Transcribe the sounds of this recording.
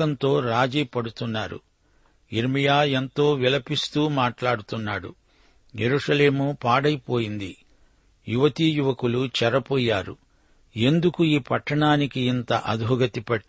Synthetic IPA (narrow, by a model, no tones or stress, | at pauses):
ɐnt̪o̞ːɾaːd͡ʒiːpɐɽut̪unːaːɾṵ | iɾmijaːent̪o̞ːʋilɐpist̪uːmaːʈlaːɽut̪unːaːɽṵ | jeɾuːʂɐle̞ːmupaːɽɐjpo̞ːjind̪i | juʋɐt̪ijuʋɐkulut͡ʃɛɾɐpɔːjːaːɾṵ | e̞nd̪ukuiːpɐʈʰːɐɳaːnikiːnt̪ɐʔɐd̪bʱuɡɐt̪ipɐʈː